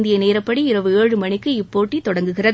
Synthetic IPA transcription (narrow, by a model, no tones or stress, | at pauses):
nd̪ɪjɐneːɾɐpːɐɽiɪɾɐʋɯeːɻɯmɐɳɪkːɯɪpːoːʈːit̪ːɔɽɐŋɡɯɣɪrɐð